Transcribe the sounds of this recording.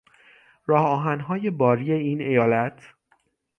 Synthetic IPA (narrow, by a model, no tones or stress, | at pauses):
ɾɒːhɒːɦænɦɒːje̞bɒːɾiːe̞iːne̞jɒːlæt̪ʰ